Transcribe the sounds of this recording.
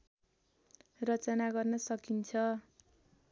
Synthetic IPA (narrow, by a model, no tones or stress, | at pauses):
rʌt͡sʌnaɡʌrnʌsʌkint͡sʰʌ